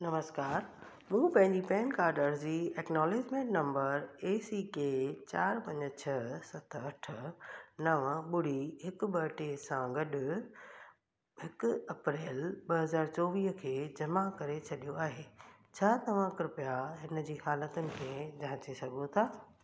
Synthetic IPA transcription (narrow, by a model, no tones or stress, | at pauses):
nɐməskaːɾ | mũːpɐ̃ɦɪ̃ɲd͡ʑipɛ̃ːnkaːɾɖəɾd͡ʑiːɛːknɔːleːd͡ʑmẽːɳʈnɐ̃mbəɾeːsiːket͡ɕaːɾpɐ̃ɲd͡ʑt͡ɕʰɐsɐt̪ʰɐʈʰʊnɐʋɓʊɽ̤iɦɪkɓɐʈesãɡɐɗʊ̆ | ɦɪkʊɐpɾeːlɓɐɦɐzaːɾt͡ɕɔːʋiːɦkʰeːd͡ʑɐmakɐɾet͡ɕʰɐɗijoaːɦeː | t͡ɕʰaːt̪ɐʋ̤ãkɾʊpjaɦɪnəd͡ʑiːhaːlət̪ʊnɪ̆kʰẽd͡ʑãːt͡ɕisɐɡʱõt̪ʰaː